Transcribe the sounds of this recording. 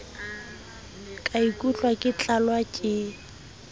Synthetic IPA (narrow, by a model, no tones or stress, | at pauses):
kʼaikʼut͡ɬʼwakʼɪt͡ɬʼalwakʼɪ